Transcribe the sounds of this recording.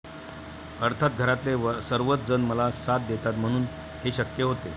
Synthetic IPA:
əɾt̪ʰat̪̚ɡʱəɾat̪lesəɾʋət̪̚d͡zənməlasat̪̚d̪et̪at̪m̤əɽ̃uːn | heɕəkjəɦot̪e

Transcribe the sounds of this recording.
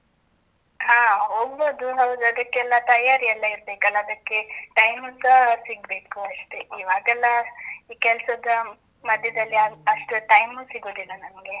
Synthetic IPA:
haːɦoːɡ̚boːd̪uɦɐwd̪uɐd̪ɐkːeɛlːɐt̪ɐjaːɾiɛlːɐiɾbeːkɐlːɐːd̪ɐkːe̞ʈɐjmusɐsiɡ̚be̞ːkuɐʂʈe̞iʋaːɡɛlːɐiːkɛlsɐd̪ɐ | mɐd̪ʱjɐd̪ɐlːiɐɐʂʈuʈɐjmusiɡoːd̪ilːɐnɐmɡe̞

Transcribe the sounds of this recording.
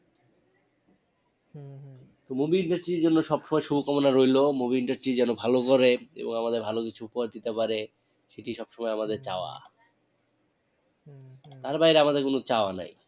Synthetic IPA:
t̪omobiiɳʈaɾsʈɾiɾd͡ʑonːoʃɔbʃɔmɔeʃubʱokɔmonaɾojlomobiiɳʈaɾsʈɾid͡ʑɛnobʱalokoɾeḛboŋamad̪eɾbʱalokit͡ɕʰuupoad̪it̪epaɾe | ʃeʈiʃɔb̥ʃɔmɔeamad̪eɾt͡ɕaoa̰ | t̪aɾbajɾeamad̪eɾkonot͡ɕaoana̰j

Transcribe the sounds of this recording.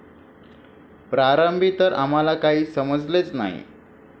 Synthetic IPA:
pɾaɾəmbʱit̪əɾa̰m̤alakaɦiːsəməd͡zlet͡sna̰ɦḭ

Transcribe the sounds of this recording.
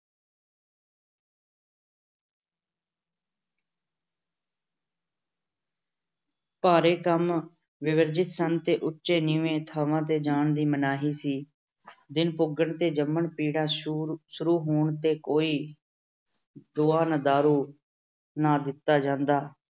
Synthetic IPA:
paːɾeːkəm | ʋɪʋəɾd͡ʒɪt̪sənt̪eːʔʊtːʃeːnĩːʋẽːt̪ʰaːʋãːt̪eːd͡ʒaːɳd̪iːmənaːɦiːsiː | d̪ɪnpʊɡəɳt̪eːd͡ʒəmːəɳpiːɽãːʃʊɾuːɦoːɳt̪eːkoːiː | d̪ʊːaːnəd̪aːɾuː | naːd̪ɪt̪ːaːd͡ʒãːnd̪aː

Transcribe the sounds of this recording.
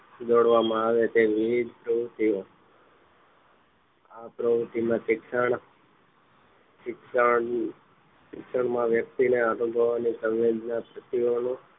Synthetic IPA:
d͡ʒoɽʋamãaʋet̪eʋiʋd͡ʒpɾəʋt̪io | apɾəbt̪imãsɪksəɳ | sɪksə | ʃɪkʃəɳmãʋjək̚t̪ineaɾubʱəʋanisəʋed͡ʒnapɾət̪ionũ

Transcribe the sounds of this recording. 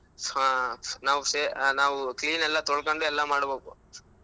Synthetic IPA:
naːʋuseːnaːʋukliːnɛlːɐt̪ɔɭkoɳɖuɛlːɐmaːɽbeːku

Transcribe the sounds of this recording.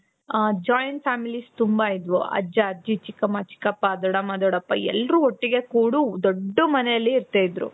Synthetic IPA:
d͡ʒaːjɐnʈ̚fʰaːmilist̪umbaid̪ʋuʔɐ̰d͡ʒɐɐd͡ʒit͡ʃikːɐmat͡ʃi̥kːɐpːad̪ɔɽɐmɐd̪ɔɽɐpːɐɛ̰lɾuoʈːiɡe̞kuːɽud̪oɖːumɐnejɐlːiːɾt̪eid̪ɾṵ

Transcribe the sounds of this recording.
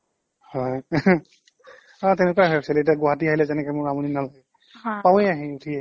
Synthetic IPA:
hɔj | ɔ̃tɛnɛkaɦɛsɛletɛɡɔɦatiaɦilɛzɛnɛkɛmʊɹamuninalaɛ | pawẽjaɦiutʰi

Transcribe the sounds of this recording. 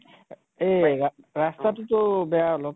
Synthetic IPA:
ea | ɹastatutɔbɛaolɔp̚

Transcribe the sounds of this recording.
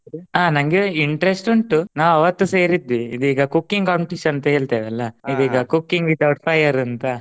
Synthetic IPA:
aːnɐŋɡeiɳʈɾesʈuɳʈunaːʋɐʋɐt̪ːuseːɾid̪ʋiːd̪uiːɡɐkukːiŋɡkaːmpiʈiʃɐɐnt̪ɐɦeːɭt̪eːʋɛlːɐid̪iːɡɐkukːiŋɡʋid̪ɐwʈpʰɐjɐɾɐnt̪ɐ

